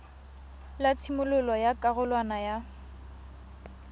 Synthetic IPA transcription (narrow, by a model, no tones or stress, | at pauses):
lat͡sʰimʊlʊlɔjakʼaɣʊlwanaja